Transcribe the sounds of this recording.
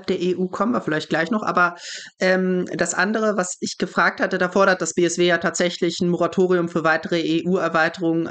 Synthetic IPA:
lp̚d̥eːɐeʔuːkʰɔmənviːɐfɪlaɪçt̚ɡ̥laɪçnɔχʔa̰ːbɐʔɛːmd̥asʔa̰ndəʁ̞əvasɪçɡ̥əfʁ̥aːk̚thatədaːfɔɐɾɐt̚d̥asb̥eːɛsv̥eːjaːtʰaːtz̥ɛçlɪçn̩moʁatʰoːʁiʊmfyːɐvaɪtəʁəeːʔuːɛɐvaɪtəʁʊŋən

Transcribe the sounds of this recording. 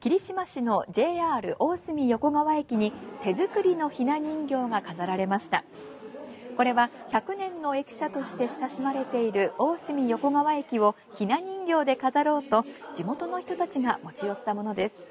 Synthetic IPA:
kʲiɾʲiɕimaɕino̞d͡ʑe̞ːaːɾɯ̟̰ʔo̞ːsɨmʲijo̞ko̞ɡaβae̞kʲiɲ̟it̪e̞zɨkɯ̟ɾʲino̞çinaɲ̟ĩŋɡʲo̞ːɡakazaɾaɾe̞maɕi̥t̪a̰ | ko̞ɾe̞βaçakɯ̟nẽ̞nːo̞e̞kʲi̥ɕat̪o̞ɕi̥t̪e̞ɕi̥t̪aɕimaɾe̞t̪e̞iɾɯ̟ʔo̞ːsɨmʲijo̞ko̞ɡaβae̞kʲiβo̞ | çinaɲ̟ĩŋɡʲo̞ːd̪e̞kazaɾo̞ːt̪o̞d͡ʑimo̞t̪o̞no̞çʲi̥t̪o̞t̪at͡ɕiɡamo̞t͡ɕijo̞t̪ːamo̞no̞d̪e̞sɨ̥

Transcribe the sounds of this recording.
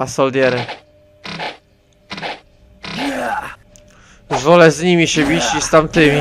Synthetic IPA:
asɔld̪ʲjɛɾɘ | zvɔlɛzɲimʲiɕɛbʲit͡ɕist̪amt̪ɪmʲi

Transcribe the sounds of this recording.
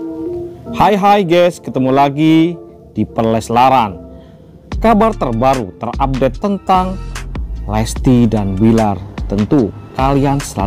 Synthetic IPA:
hajɦajɡɛskət̪əmulaɡi | d̥ipərlɛslaɾan | kabart̪ərbaɾut̪ərap̚dɛt̪ːənt̪aŋ | lɛst̪idanbilart̪ənt̪ukaliansəla̰

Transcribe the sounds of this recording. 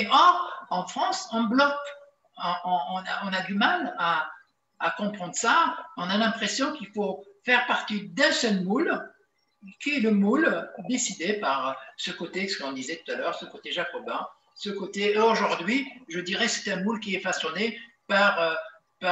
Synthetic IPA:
ʔɔʁɑ̃fχɑ̃sɑ̃blɔk | ɔ̃ɔ̃ɔ̃naɔ̃nad̪ymalaː | kɔ̃pχɑ̃d̪ʁəsaɔ̃nalɛ̃pχesjɔ̃kilfofɛʁpaʁt̪id̪ɛ̃sœlmul | kʲiɛləmuld̪esid̪epaʁsəkot̪esə̥kɔ̃d̪izɛt̪u̥t̪alœʁsəkot̪eʒakɔba | səkot̪eoʒuʁd̪ɥiʒəd̪iʁɛsɛ̥t̪ɛ̃mulk̬ʲiɛfasjɔne | paʁø | pa

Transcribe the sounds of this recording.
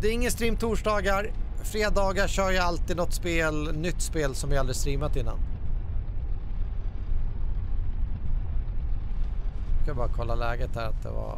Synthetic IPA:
d̪ɛæɾɪŋːənst̪ɾiːmt̪ʰuːʂɖɑːɡaɾfɾeːd̪ɑːɡaɕœːɾjaalt̪iːd̪nɔt̪ːspeːlnʏt̪ːspeːlsɔmjaald̪ɾɪst̪ɾiːmat̪ɪnːa̰n | akʰanəbɑːɾakʰɔlːalɛːɡət̪̚hæɾat̪̚d̪ɛ̰va̰

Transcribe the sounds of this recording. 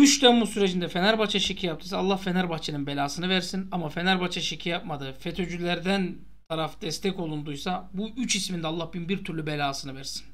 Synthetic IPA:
yʃt̪embusyɾed͡ʒind̪ɛfe̞næɾbat͡ʃʰaʃecʰijap̚t̪ɯjsalˠːahfe̞næɾbat͡ʃʰenɯnbe̞lʲaːsɯnɯvæɾsinamafe̞næɾbat͡ʃʰaʃecʰijap̚mad̪ɯfe̞t̪ʰø̞d͡ʒylʲæɾd̪æn | t̪ʰaɾafd̪̥ɛst̪ʰɛco̞lˠund̪ujsabuyt͡ʃismind̪ɛaːlˠːahbinbiɾt̪ʰyɾlʲybelʲaːsɯnɯvæɾsi̥n

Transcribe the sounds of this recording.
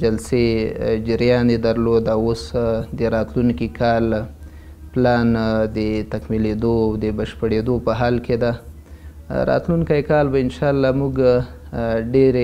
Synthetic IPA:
d͡ʒalsed͡ʒəɾjɑnd̪ed̪aɾlod̪awosd̪əɾɑt̪lunkikʰɑl | plɑnd̪ət̪akmiled̪owd̪əbəʃpəɽed̪opəɦɑlked̪a | ɾɑ̰t̪lunkajkɑlbaɪnʃɑlːɑmuɡ | ɖeɾe

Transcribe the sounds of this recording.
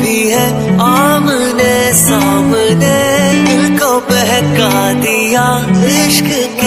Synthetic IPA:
iɦɛ | aːm | ne | saːmneɪnkobɛɦɛkaɦ | d̪ija | ɾɪʃk | k

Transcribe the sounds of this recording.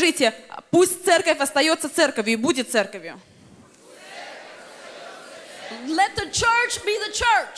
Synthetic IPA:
ʐɨtʲɪpusʲtʲt̪sɛrkəfʲɐst̪ɐjo̞t̪sːət̪sɛrkəvʲjʊibudʲɪt̪t̪sɛrkəvʲjʊ | lɛt̪̚ðət͡ʃʰɜ˞t͡ʃbiðət͡ʃʰə˞t͡ʃ

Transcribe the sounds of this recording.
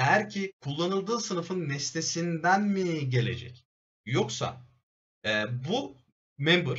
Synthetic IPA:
hæɾcʰikʰulˠːanɯlˠd̪ɯːsɯnɯfɯnːɛst̪ʰe̞sind̪ænmiɟe̞lʲe̞̰d͡ʒɛ̰c | jo̞ksa̰ | ɛːbu | membuɾ

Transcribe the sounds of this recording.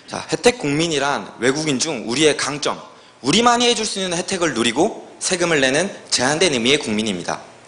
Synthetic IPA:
t͡ɕa̰he̞tʰe̞k̚k͈uŋmiɲiɾanwe̞ɡuɡind͡ʑuŋuɾie̞kaŋt͡ɕ͈ʌŋ | uɾimaɲiɦe̞d͡ʑuɭs͈uinːɯnhe̞tʰe̞ɡɯɭnuɾiɡosʰe̞ɡɯmɯɭːe̞nɯnt͡ɕe̞ɦandenɯmie̞kuŋmiɲimɲida̰

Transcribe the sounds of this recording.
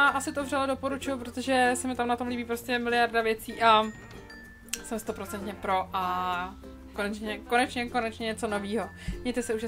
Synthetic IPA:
aʔasɪt̪ovrɛlado̞po̞ɾut͡ʃʊjup̬ɾot̪oʒɛsɛmɪt̪amnat̪o̞mliːbiːpɾoscɛmɪlɪjaɾdavjɛt͡siːʔa | sɛmst̪o̞pɾo̞t͡sɛnt̪ɲɛpɾo̞ʔa | konɛt͡ʃɲɛkonɛt͡ʃɲɛko̞nɛt͡ʃɲɛɲɛt͡so̞no̞viːɦo̞ | mɲɛjt̪ɛsɛuʃ

